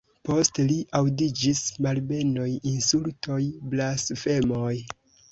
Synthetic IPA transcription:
po̞steliʔawdid͡ʒismalbe̞nojinsultʰo̞jblasfe̞moj

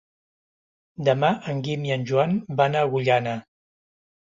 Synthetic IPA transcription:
d̪əmaʔəŋɡimiənʲʒuanbanaɣuʎana

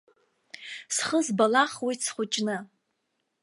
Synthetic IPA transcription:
sχəzbalaχwit͡sʰχʷʊt͡ʃʼnɨ

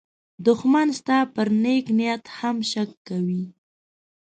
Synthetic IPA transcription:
d̪ʊxmanst̪ɑpəɾneknijat̪hamʃakːawi

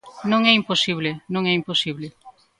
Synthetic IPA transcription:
nõŋɛimposiβlenõŋɛimposiβle

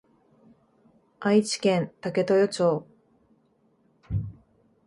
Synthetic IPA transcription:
ait͡ɕi̥kẽ̞nt̪ake̞t̪o̞jot͡ɕoː

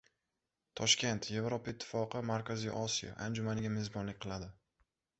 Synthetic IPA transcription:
t̪ʰɒʃkʲe̞nt̪ʰje̞vɾopaɪt̪ʰːɪ̥fɒqʰɨmaɾkʲazḭʔɒsija̰ʔand͡ʒʊmanɪɡʲamezbɒnlɪkʲqʰɨlˠad̪ɪ

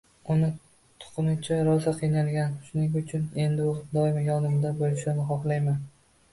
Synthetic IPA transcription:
ʊnɪ | t̪ʰʊ̥qʰɨnɪt͡ʃʰaɾɒzaqʰijnalˠɡʲanʃʊnɪŋʊt͡ʃʰʊne̞nd̪ɪʊd̪ɒɪmjɒnɪmd̪abolɪʃanɪχɒχlˠajman

